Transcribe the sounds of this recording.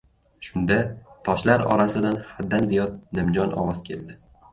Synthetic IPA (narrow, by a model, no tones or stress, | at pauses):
ʃʊnd̪at̪ʰɒʃlaɾɒ̰ɾasɪd̪anhad̪ːanzijɒt̪̚nɪmd͡ʒɒnʔɒ̰wɒz̥kʲʰe̞̰lˠd̪ɪ